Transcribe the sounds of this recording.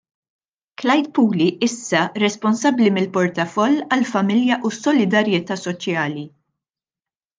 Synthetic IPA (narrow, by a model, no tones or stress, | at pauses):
klɐjt̪̚puːliʔɪsːɐɾɛspɔnsɐbːlimɪlpɔɾt̪ɐfɔlːɐlfɐmɪljɐʔusːɔlɪd̪ɐɾjɛt̪ɐːsɔt͡ʃjɐːli